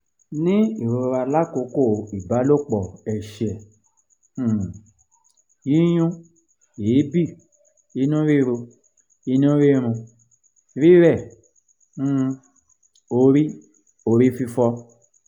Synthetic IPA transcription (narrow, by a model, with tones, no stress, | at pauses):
nĩ˦i˨ɾo˧ɾo˧ɾa˧la˦˨ko˨˦ko˦˨i˨ba˨˦lo˦˨k͡pɔ˨ɛ˨ʃɛ˨˦˨ | i˦j̃ũ˦ | eː˨˦bi˦˨ | i˧nũ˦ɾi˦˧ɾo˧ | i˧˦nũ˦ɾi˦ɾ̃ũ˧ | ɾi˦ɾɛ˦˨˦ | o˧ɾi˦ | o˧ɾi˦fi˧fɔ˧